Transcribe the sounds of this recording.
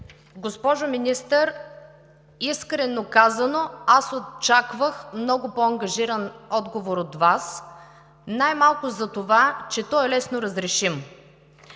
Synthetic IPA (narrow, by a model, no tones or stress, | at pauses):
ɡospɔʒominist̪əɾ | iskɾɛnokazənoasott͡ʃakvəxmnɔɡʊpɔɐŋɡɐʒiɾənɔd̪ɡovoɾot̪vas | najmalˠkʊzɐt̪ovat͡ʃɛt̪ɔɛlɛsnoɾɐzɾɛʃim